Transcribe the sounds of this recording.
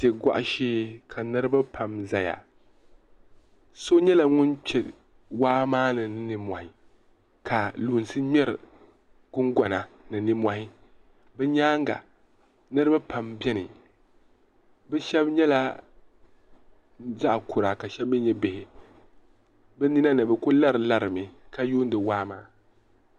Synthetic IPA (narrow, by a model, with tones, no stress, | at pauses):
tɛ˨ɡʷa̰˦ʔa˨ʃeː˦kʰa˨nɨ˦ɾɨ˦ba˦pʰa˨mza˨ja̰˨ | so˦ɲɛ˦la˨ŋʊ˦nt͡ʃɛ˨ | waː˦maː˦nɨ˨nɨ˦nɨ˦mʷa˨hɪ˨ | kʰa˨luː˨n˨sɨ˦ɲɛ˦ɾɨ˨ | ɡʊ˦ŋɡa˨na˨nɨ˨nɨ˦ma˨hɪ˦ | bɛ˦ɲaː˦ŋɡa̰˨ | nɨ˦ɾɨ˦ba˦pa˨mbɛ˦nɨ˨ | bɛ˦ʃɛ˦bɲɛ˦la˦ | za˦ʔkʊ˨ɾa˨ka˨ʃɛ˦bbɛ˦ɲɛ˦bɪ˨hɪ˨ | bɛ˦ni˦na˦nɨ˨bɛ˦ko˦la˦ɾɨ˨la˦ɾɨ˨mɪ˨ka˨ju˦n˦dɨ˨waː˦maː˦